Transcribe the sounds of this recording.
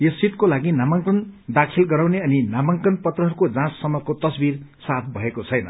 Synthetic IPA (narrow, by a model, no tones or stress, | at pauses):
jesit̪kolaɡinamʌŋkʌnd̪akʰilɡʌɾaw̃neʌninamʌŋkʌnpʌt̪rʌɦʌɾukod͡zãsːʌmʌkot̪ʌsbirsat̪̚ʰbʱʌekot͡sʰʌjnʌ̰